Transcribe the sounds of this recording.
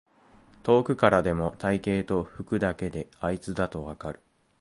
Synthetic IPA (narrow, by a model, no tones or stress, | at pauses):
t̪o̞ːkɯ̟kaɾad̪e̞mo̞t̪aike̞ːt̪o̞ɸɯ̟kɯ̟d̪ake̞d̪e̞ait͡sɨd̪at̪o̞βakaɾɯ̟